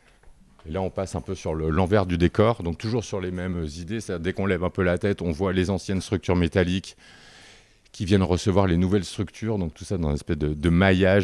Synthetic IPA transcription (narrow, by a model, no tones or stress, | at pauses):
elaɔ̃pasɛ̃pøsyʁləlɑ̃vɛʁd̪yd̪ekɔʁd̪ɔ̃k̚t̪uʒuʁsyʁlemɛmzid̪est̪adiʁd̪ɛkɔ̃lɛvɛ̃pølat̪ɛt̪ɔ̃vwalezɑ̃sjɛnst̪χyk̚t̪yʁmet̪alik | kʲːivjɛnʁəsəvwaʁlenuvɛlst̪χykt̪ʰyːʁd̪ɔ̃k̚t̪usad̪ɑ̃zɛ̃nɛspɛsd̪əd̪əmajaʒ